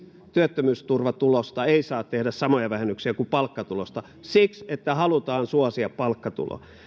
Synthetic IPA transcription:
t̪yøt̪ːømyːst̪urʋɑt̪ulost̪ɑeisɑːt̪t̪ehdæssɑmojɑʋæhenːyksiækupɑlkːɑt̪ulost̪ɑ | sikset̪ːæhɑlut̪ɑːnsuɑsiɑppɑlkːɑt̪ṵlo̰

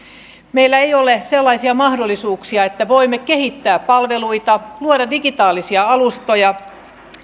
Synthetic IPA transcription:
meilːæejoleselːɑisiɑmɑhdolːˑisuːksiɑet̪ːæʋoimːekehit̪ːæːppɑlʋeluit̪ɑluoɾɑdiɡit̪ɑːlisiɑɑlust̪ojɑ

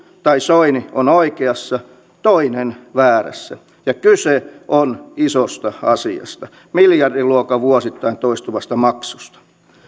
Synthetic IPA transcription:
t̪ɑisoinionoikeɑsːɑ | t̪oinenʋæːræ̰sːæ̰ | jɑkyseʔonisost̪ɑɑsiɑ̰st̪ɑ | miljɑrdiluokɑʋuosit̪ːɑint̪oist̪uʋɑst̪ɑmɑksust̪ɑ̥

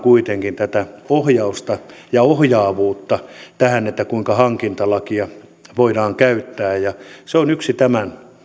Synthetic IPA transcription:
kuit̪eŋkint̪æt̪æohjɑust̪ɑjɑohjɑːʋuːt̪ːɑt̪æhænet̪ːækuiŋkɑhɑŋkint̪ɑlɑkiɑ | ʋoiɾɑːŋkæyt̪ːæːjjɑseonyksit̪æmæn

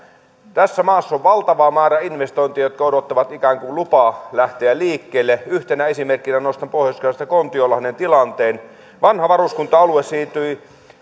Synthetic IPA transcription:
t̪æsːæmɑːsːoʋʋɑlt̪ɑʋɑːmæːrɑinʋest̪oˑĭnt̪iɑjot̪̚kɑodot̪ːɑʋɑt̪ikæːŋkulupɑlæht̪eæliːkːeːlːeyht̪enæesimerkːinænost̪ɑmpohjɑskɑɑst̪ɑkont̪iolɑhnent̪ilɑnt̪eːn | ʋɑnhɑʋɑruskunt̪ɑɑluesiːt̪yi

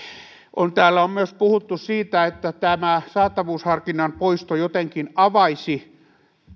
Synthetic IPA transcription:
ʔont̪æːlːæommyøspuhut̪ːusiːt̪æet̪ːæt̪æmæsɑːt̪ɑʋuːshɑrkinːɑmpoist̪ojot̪eŋkinɑʋɑisi

